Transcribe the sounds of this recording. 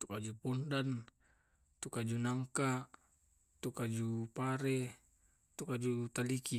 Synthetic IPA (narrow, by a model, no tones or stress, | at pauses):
t̪u̥kad͡ʒupondan | t̪ukad͡ʒunaŋka | t̪ukad͡ʒupaɾe | t̪ukad͡ʒut̪aliki